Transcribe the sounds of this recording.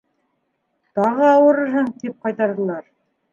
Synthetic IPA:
t̪ɑʁɤɑwɤ̆ɾɤ̆ɾɦɤŋt̪ip̚qɑjt̪ɑɾðɤ̆lˠɑɾ

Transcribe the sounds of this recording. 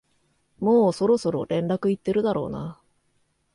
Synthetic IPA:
mo̞ːso̞ɾo̞so̞ɾo̞̰ɾẽ̞nɾakɯ̟it̪ːe̞ɾɯ̟d̪aɾo̞̰ːna̰

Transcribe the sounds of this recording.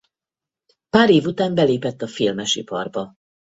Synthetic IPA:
paːɾeːvut̪aːmbɛleːpɛt̪ːɒfilmɛʃḭpɒ̰rbɒ

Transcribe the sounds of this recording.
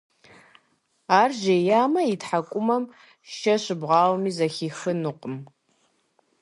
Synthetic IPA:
aːrʒejaːmɐitħakʷʼʊmɐm | ʃɐɕɪbʁɑːwmiːzɐxiːxɨnɨqʼəm

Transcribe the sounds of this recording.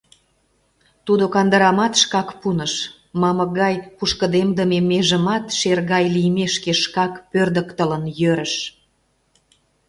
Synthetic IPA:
t̪ud̪okɑnd̪əɾɑmɑt̪ʃkɑkpunəʃ | mɑmə̆ɣɑjpuʃkə̆d̪emd̪əmemeʒə̆mɑt̪ʃerɣɑjlijmeʃkeʃkɑkpørd̪əkt̪ələnjøɾə̆ʃ

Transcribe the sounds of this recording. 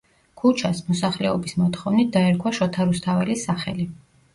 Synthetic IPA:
kʰut͡ʃʰasmɔsaχlɛɔbismɔt̪χɔvnit̪̚d̪aɛɾkʰwaʃɔt̪ʰaɾust̪ʰavɛlisaχɛli

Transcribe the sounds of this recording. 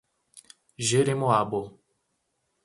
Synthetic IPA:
ʒeɾemoabo

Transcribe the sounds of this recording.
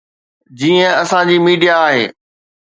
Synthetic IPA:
d͡ʑiːə̃ɐsãd͡ʑiːmiːɖijaːɦḛː

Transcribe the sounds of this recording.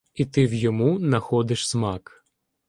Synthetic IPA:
it̪ɪwjɔmunɐxɔd̪ɪʃsmɑk

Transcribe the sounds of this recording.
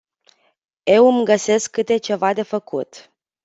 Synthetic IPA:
e̞wɨmɡəse̞skːɨt̪e̞t͡ʃe̞vad̪e̞fəkʰut̪

